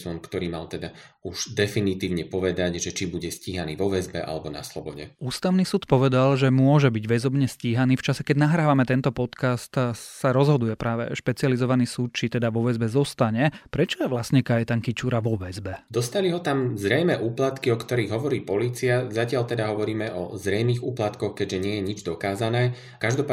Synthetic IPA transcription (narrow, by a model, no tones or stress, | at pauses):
sɔnkt̪ɔɾiːma̰lt̪ɛd̪auʒ̥d̪ɛfinit̪iːʊɲɛpɔʋɛd̪aɟʒɛt͡ʃibuɟɛsciːɦaniːʋɔʋɛzbɛ̰ʔa̰lɛbɔna̰slɔbɔɟɛ̰uːst̪aʊniːsuːt̪pɔʋɛd̪alʒɛmʊɔʒɛbiɟʋɛzɔbɲɛsciːɦaniːft͡ʃasɛkɛɟnaɦɾaːʋamɛt̪ɛnt̪ɔpɔt̪kast̪saɾɔzɦɔd̪ujɛpɾʔaːʋɛ̰ʃpɛt͡sializɔʋaniːsuːt̪̚t͡ʃit̪ɛd̪aʋɔʋɛzbɛzɔst̪aɲɛpɾɛt͡ʃɔjɛʋlasɲɛkajɛt̪aŋkit͡ʃuːɾaʋɔʋɛzbɛd̪ɔst̪aliɦɔt̪amzɾɛjmɛːʔuːplat̪kiɔkt̪ɔɾiːɣɦɔʋɔɾiːpɔliːt͡siazacɪalt̪ɛd̪aɦɔʋɔɾiːmɛʔɔ̰zɾɛjmiːɣuːplat̪kɔxkɛɟʒɛɲɪɛjɛɲid͡ʒd̪ɔkaːzanɛː | kaʒd̪ɔpa